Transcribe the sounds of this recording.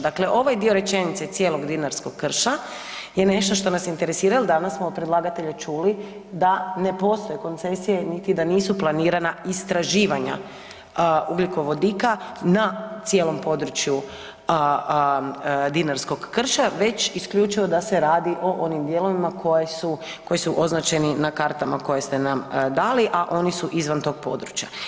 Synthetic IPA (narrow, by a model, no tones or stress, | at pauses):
d̪akle̞ʔo̞ʋajd̪io̞ɾe̞t͡ʃe̞nit̪se̞t̪sje̞ːlo̞ɡd̪inaɾsko̞ɡkːr̩ʃa | je̞ne̞ʃt̪o̞ʃt̪o̞nasint̪e̞ɾesiːɾalod̪anasmoːpɾed̪lˠaːɡat̪e̞ʎat͡ʃuli | d̪ane̞po̞st̪o̞jeko̞nt̪se̞sije̞nit̪id̪aniːsuplˠaniːɾanaist̪ɾaʒiːʋaɲa̰ | uɡliko̞ʋo̞d̪iːkanat̪sje̞ːlo̞mpo̞d̪ɾut͡ʃju | d̪inaɾsko̞ɡːr̩ʃaʋe̞t͡ɕiskʎʲut͡ʃiʋo̞d̪aseɾaːd̪iʔo̞ʔo̞nimd̪je̞lo̞ʋimakʰojesu | ko̞jisuʔo̞znat͡ʃe̞ninakaɾt̪amako̞jest̪e̞namd̪aːliʔaʔo̞nisuʔizʋant̪o̞ːɡ̚po̞̰d̪ɾut͡ɕja